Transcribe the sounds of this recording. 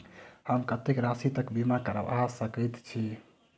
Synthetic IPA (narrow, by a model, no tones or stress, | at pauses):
həmkət̪ekɾasit̪əkbimakəɾə̰wasəkəjt̪t͡ʃʰi